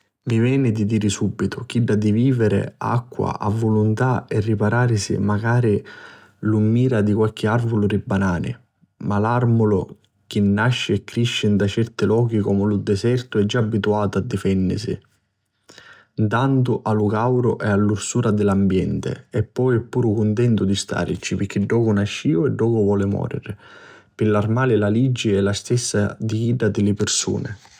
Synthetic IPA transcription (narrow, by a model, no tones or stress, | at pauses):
mivjɛːnɪd̪id̪iːɾɪsubːit̪ʊk̟iɖːad̪iviːvɪɾɪ̰a̰kːwa̰ʔa̰vːʊlʊnt̪aɛrːipaɾaːɾsḭmaɡaːɾi | lumːiːɾad̪ikwalk̟ɪarvʊlʊɾibːanaːnɪ̰ | malarmʊlʊ̰ | k̟inːaʃːɪɛkːɾiʃːɪnd̪at͡ʃɛrt̪ɪlɔːk̟ikɔmʊlʊd̪ɛsɛrt̪ʊɛd͡ʒːaːbːit̪uaːt̪ʊad̪ːifɛnːɪ̰sḭ | nt̪ant̪ʊʔalʊkawɾʊʔɛalːursuːɾad̪ɪlambjɛnt̪ɪ̰ɛpːɔjɛpːuːɾʊkʊnt̪ɛnt̪ʊd̪ist̪ʰa̰ːɾit͡ʃːipɪɾk̟ʰːiɖːɔːkʊnaʃːiːʊɛɖːɔːkʊvwɔːlɪmɔ̰ːɾɪ̰ɾɪpɪlːarmaːlɪlalid͡ʒːɪɛlːast̪ɛsːa̰d̪iɡiːɖad̪ɪlɪpɪrsṵːnɪ̰